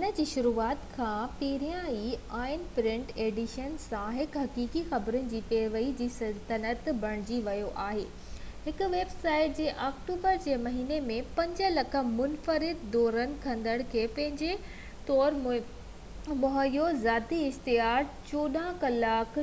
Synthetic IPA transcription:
ʊnə̆d͡ʑiːʃʊɾuːaːt̪kʰãːpiːɾijãiaːɪnpɾɪ̃ɳʈeːɖɪʃənsãɦɪkɦɐkiːkixɐbɾʊnɪ̆d͡ʑiːpeːɾʋɐid͡ʑiːsɐt̪ɐnət̪bʱɐɽ̃ɪd͡ʑiʋɐjoʔaːɦḛː | ɦɪkʊ̆ʋeːbsaːɪʈ̚d͡ʑeːʔaːkʈuːbəɾd͡ʑeːmɐɦiːnemẽpɐ̃ɲd͡ʑəlɐkʰə̆mʊnfəɾɪd̪ːɔːɾənɪ̆kʰɐ̃nd̪əɽ̃kʰeːpɐ̃ɦɪ̃ɲd͡ʑe | t̪ɔːɾ | mʊɦəjozaːt̪iɪst̪ɪɦaːɾt͡ɕoːɗãkɐlaːk

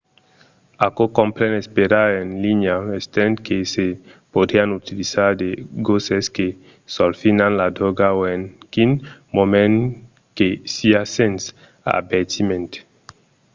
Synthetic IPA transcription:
akokõmpɾɛ̃nespeɾaɾenlinjaest̪ɛ̃nt̪kesepod̪ianut̪ilizaɾd̪eɡoseske | solfinanlad̪ɾɔɡaoenkinmomẽn | kesiasẽns | a̰beɾt̪ʰimẽnt̪e̥

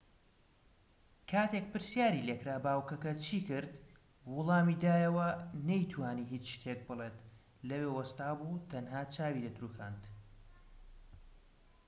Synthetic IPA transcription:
kʰaːt̪ʰek̚pɨɾsjaːɾilekɾaːbaːwkɐkɐt͡ʃʰiːkɨɾd̪ | wʊlˠɑːmiːd̪aːjɐwɐnɐjt̪ʰwaːniɦiːt͡sʃt̪ʰek̚bɨlˠeːt̪ | lɐweːwɐst̪aːbuːt̪ʰɐnɦaːt͡ʃʰaːwid̪ɐt̪ɾuːkʰaːnt̪

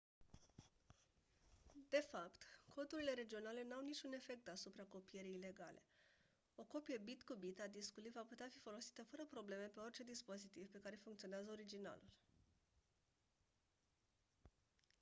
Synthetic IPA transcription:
d̪e̞fapt̪kʰo̞d̪uɾile̞ɾe̞d͡ʒio̞nale̞nawnit͡ʃʲune̞fe̞k̚t̪asupɾako̞pije̞ɾiːle̞ɡalʔe̞̰ | o̞ko̞pijebit̪kubit̪ad̪iskulivaput̪eafifo̞lo̞si̥t̪əfəɾəpɾo̞ble̞me̞pe̞o̞rt͡ʃe̞d̪ispo̞zit̪ivpe̞kaɾe̞fuŋkt̪sio̞neazəoɾid͡ʒina̰lul

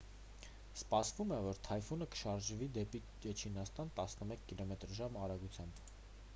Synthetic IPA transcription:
spɑsvumɛvɔɾt̪ʰɑjfunəkə̥ʃɑɾʒvid̪ɛpi | d͡ʒɛt͡ʃʰinɑst̪ɑnt̪ɑsnəmɛkʰːilɔmɛt̪ɾʒɑmɑɾɑɡut͡sʰjɑmb

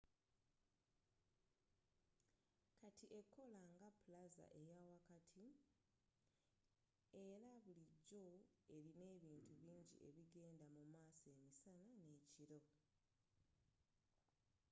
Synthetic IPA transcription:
katʰiʔe̞kʰːo̞laŋɡapulaza̰ʔe̞jawakatʰi | e̞ɾaβuliɟːo̞e̞ɾine̞ːβiːntuβiːɲɟḭʔe̞̰βiɡe̞ːndamumaːsoemisanane̞ːciɾo̞

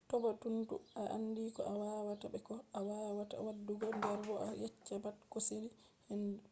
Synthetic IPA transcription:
tɔbatuntṵaʔa̰nːdikɔ̰ʔawaːwatabɛkɔawaːwata̰wadːuɡɔndɛɾbɔʔajɛt͡ʃːabatkoseli | henːdu

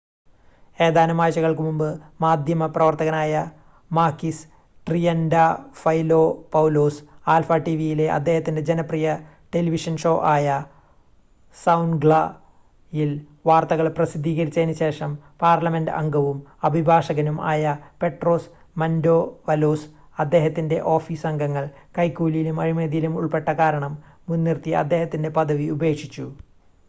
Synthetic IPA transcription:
e̞ːd̪aːnɐmaːjt͡ɕːɐɣɐɭkɨmumbɨmaːd̪ʱjɐmɐprɐʋɐrt̪ɐɣɐnaːjɐ | maːkːis | ʈrijɐndɐfɐjlo̞ːpɐwloːsaːlfɐʈiʋijile̞ʔɐ̰d̪ʱːe̞ːhɐt̪ːinded͡ʑenɐprijɐ | ʈe̞liʋiʂɐnʂo̞ːʔaːjɐ | sɐwnɡɭɐ | jil | ʋaːrt̪ɐɣɐɭprɐsid̪ʱːiːɣɐɾit͡ɕːɐenuɕe̞ːʂɐmpaːrlɐme̞ndɐ̰ŋɡɐʋumɐbʱibʱaːʂɐɣɐnuma̰ːjɐpe̞ʈro̞ːs | mɐndo̞ːʋɐloːs | ɐd̪ːe̞ːɦɐt̪ːinde̞̰ʔo̞ːfiːsɐŋɡʱɐŋːɐɭ | kɐjkːuːlijilumɐɻimeːðijilumuɭpe̞ʈːɐkaːɾɐɳɐmː | unːirt̪iɐ̰d̪ːeːɦɐt̪ːinde̞pɐðɐʋiube̞ːkʂit͡ɕːu

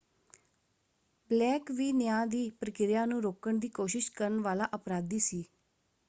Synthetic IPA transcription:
blɛːkʋiːnɪjãːd̪iːpɾəkɪɾɪjãːnũːɾoːkəɳd̪iːkoːʃɪʃkəɾəɳʋaːlaːʔəpɾaːd̪iːsiː

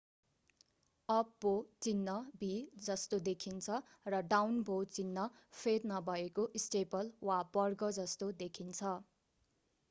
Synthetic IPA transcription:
ʌp̚ːot͡sinːʌbʱid͡zʌst̪od̪ekʰint͡sʰʌ | rʌɖawnbʱot͡sinːʌ | pʰetnʌbʱʌekoʔisʈepʌlwabʌrɡʌd͡zʌst̪od̪ekʰint͡sʰʌ

